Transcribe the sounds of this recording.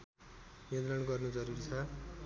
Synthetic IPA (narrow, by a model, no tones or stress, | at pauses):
jʌnt̪rʌnɡʌrnud͡zʌɾuɾit͡sʰʌ